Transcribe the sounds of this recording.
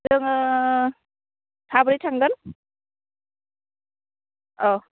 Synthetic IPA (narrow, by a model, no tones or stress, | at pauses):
dɯŋ | tʰabɾitʰaŋɡɯn | ɔ